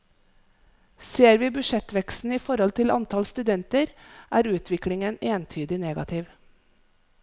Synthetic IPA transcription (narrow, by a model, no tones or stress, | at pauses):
seːɾʋiːbʏʃɛt̪ʋɛkst̪n̩iːfɔɾɔlt̪ʰɪlɑ̰nt̪ʰɑlst̪ʉd̪ɛnt̪əɾʔæːɾʉːt̪ʰʋɪklɪŋəneːnt̪ʰyːd̪ɪneːɡɑ̰t̪ʰɪːʋ